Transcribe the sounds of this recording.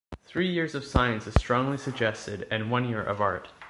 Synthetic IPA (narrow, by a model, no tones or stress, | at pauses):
θɹijɪɹzʌv̥saɪɨ̃nsɨz̥stɹ̥ɔ̃ŋlisɨɡ̚d͡ʒɛstɪɾɨ̃nwʌ̃njɪɹʔʌ̰vɑ̰ɹt̚